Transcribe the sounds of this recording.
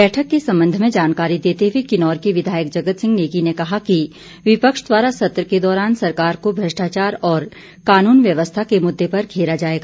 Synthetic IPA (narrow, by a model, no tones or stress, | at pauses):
bɛːʈʰəkːesɐ̃mbə̃nd̪ʱmẽd͡ʒaːnkaːɾid̪eːt̪eʋikɪnɔːɾkiʋɪd̪ʱaːjək̚d͡ʒɐɡət̪sɪ̃ŋɡneːkinekɐɦaki | ʋɪpəkʃd̪waːɾasɐt̪ɾəked̪ɔːɾaːnsɐɾkaːɾkobʱɾɐʃʈaːt͡ʃaːɾɔːɾ | kaːnuːnʋjɐʋəst̪ʰakemʊd̪ːepɐɾkʰeːɾad͡ʒaːeːɡaː